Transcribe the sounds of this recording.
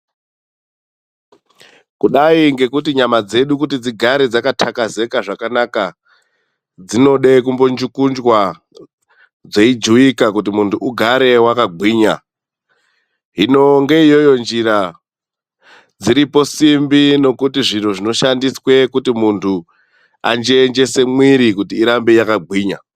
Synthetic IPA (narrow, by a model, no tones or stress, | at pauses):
kuɗaiŋɡe̞kutiɲamad͡ze̞ɗukutid͡ziɡʱaɾed͡zakatʰakaze̞kaʐakanaka | d͡zino̞ɗe̞kumbond͡ʒukund͡ʒwa | d͡ze̞id͡ʒuikakutimuntʰuːɡʱaɾe̞wakaɡʱwiːɲa | ɦino̞ŋɡe̞ijo̞jo̞nd͡ʒiɾa | d͡ziɾipo̞simbino̞kutiʐinoʐino̞ʃandiswe̞kutimuntʰu | a̰nd͡ʒeːnd͡ʒe̞se̞mwiɾikutiːɾambejakaɡʱwiːɲa